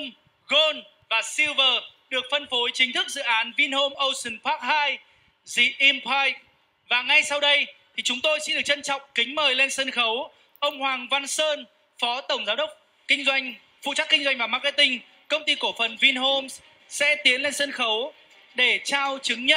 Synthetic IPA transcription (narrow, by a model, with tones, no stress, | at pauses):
ŋ͡m | ɣo˧n | vaː˨˩si˧wvəː˨˩ɗɨ˨˩ək̚fə˧nfo˨˦jt͡ɕï˨˦ŋ̟t̪ʰɨ˦˥k̚zɨ̰˧˨ʔaː˨˦nvi˧nho˧mʔə˧wsɨ˨˩npʰaː˦˥k̚haː˧j | zḭ˧˨ʔi˧mpʰaː˧jk̚ | vaː˨˩ŋa˧jsa˧wɗə˧jt̪ʰi˨˩t͡ɕʊ˨˦ŋ͡mt̪o˧jsɛ̰˧˥ɗɨ˨˩ək̚t͡ɕə˧nt͡ɕɔ̰˧˨wŋ͡mkï˨˦ŋ̟məː˨˩jle˧nsə˧nxə˨˦w | ʔə˧wŋ͡mhwaː˨˩ŋva˧nsəː˧n | fɔ˨˦t̪ə˧˩wŋ͡mzaː˨˦wɗə˦˥wk͡p̚ | kï˧ŋ̟zwa˧jŋ̟ | fṵ˧˨t͡ɕa˦˥kːï˧ŋ̟zwa˧jŋ̟vaː˨˩maː˧ka˧t̪ï˧ŋ̟ | kə˧wŋ͡mt̪i˧ko˧˩fə˨˩nvi˧nɦo˧m | sɛ̰˧˥t̪i˨˦ənle˧nsə˧nxə˨˦w | ɗe˧˩t͡ɕaː˧wt͡ɕɨ˨˦ŋɲə˦˥